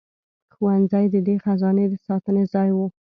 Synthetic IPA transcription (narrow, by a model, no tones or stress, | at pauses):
xuwanzajd̪əd̪exazɑned̪əsɑt̪ənezɑjwə